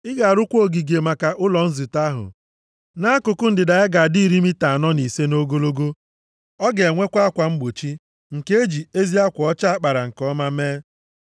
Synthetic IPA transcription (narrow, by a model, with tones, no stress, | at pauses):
ɪ˦ɡa˨a˨ɾʊ˦kʷo˦˨ɡi˨ɡe˨ma˨ka˨ʔʊ˦lɔ˨n̩˦zi˨ta˦ɦʊ̰˨ | na˦a˦kʊ˨kʊ˦n̩˦dɪ˨da˨ɪ˦ɡa˨di˦˨ɾi˦mi˦ta˨a˨nɔ˦ni˨se˦no˦ɡo˦lo˦ɡo˦ | ɔ˦ɡe˨e˨ŋʷe˦kʷa˦a˦kʷa˨ŋ͡m̩˦ɡ͡bo˨t͡ʃi˦ | ŋ̩˨ke˦e˦d͡ʒi˨e˦zi˦a˦kʷɔ˨ɔ˦t͡ʃa˦a˦k͡pa˨ɾa˨ŋ̩˨kɔ˦ma˦meː˦